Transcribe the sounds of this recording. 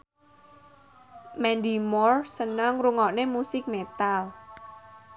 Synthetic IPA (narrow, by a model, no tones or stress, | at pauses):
mɛnd̪imɔrsənəŋɾuŋɔnemusɪk̚met̪al